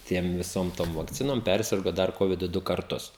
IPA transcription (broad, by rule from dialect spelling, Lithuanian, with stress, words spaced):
ˈtʲiɛm ʋʲɪˈsoːm ˈtoːm ʋɐkˈt͡sʲɪnoːm ˈpʲɛrʲsʲɪrɡoː ˈdɐr ˈkoːʋʲɪdʊ ˈdʊ kɐrˈtʊs